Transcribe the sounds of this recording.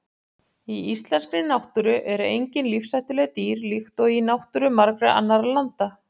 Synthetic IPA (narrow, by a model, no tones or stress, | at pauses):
iist̪lɛnskɾɪnawht̪ʏɾʏʔɛɾʏejɲcɪnlifsajht̪ʏlœɣt̪iːɾlixt̪ɔɣinawht̪ʏɾʏmaɾkɾʏa̰nːaɾalant̪a